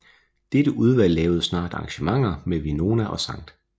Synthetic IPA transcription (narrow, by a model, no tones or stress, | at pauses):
d̥ed̥əʔuð̞ˠʋæl̰ːɛːʊð̞̩ˠsnɑ̰̈ːd̥ɑ̈ŋɕəmɑ̈ŋ̰ɐmeʋino̝ːnæʔɒ̽sɑ̈ŋ̰d̥